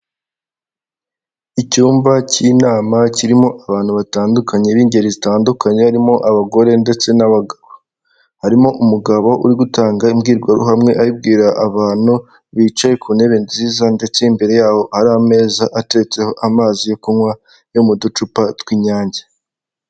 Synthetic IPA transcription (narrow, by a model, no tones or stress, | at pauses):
icuːmbacinaːmaciɾimo̞ʔaβaːn̥huβataːndukʰaɲeβiːɲɟe̞ɾizitaːndukaɲehaɾimo̞ʔaβaɡo̞ɾe̞nde̞t͡se̞naβaɡaβo | haɾimo̞ʔumuɡaβo̞ʔuɾiɡutaːŋɡaimɡiːɾɡwaɾṵɦamŋe̞ʔajib̚ɡiːɾaʔːβaːn̥u | βit͡ʃajekʰune̞βe̞nziːzande̞t͡se̞imbe̞ɾe̞jaːho̞haɾaame̞ːzaʔate̞t͡se̞ho̞ʔamaːzijokumŋwa | jomudut͡ʃupatwiːɲaːɲɟe